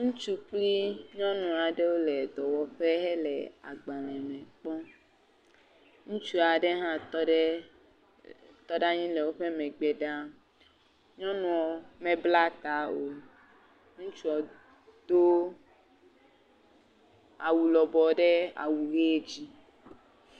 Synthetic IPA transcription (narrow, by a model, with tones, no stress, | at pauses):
ŋũ˦t͡ʃu˦k͡pli˦ɲɔ̃˦nũ˨a˨ɖe˦wo˦le˨d̪ɔ˨wɔ˨ɸe˦ɦɛ˦lɛ˨a̰˨ɡ͡bã˨lɛ̃˨mẽ˨k͡pɔ˦ | ŋũ˦t͡ʃu˦a˨ɖe˦ɦã˦e˦ | t̪ɔ˦ɖa˦ɲĩ˦le˨wo˦ɸe˦me˨ɡ͡be˨ɖa˦ | ɲɔ̃˦nũ˨ɔ˨me˨bla˦t̪a˨˦o˨ | ŋũ˦t͡ʃu˦ɔ˨ | d̪̥o˦ | a˨wu˨lɔ˨bɔ˨ɖe˦a̰˨wu˨ɣe˦d͡ʒi˦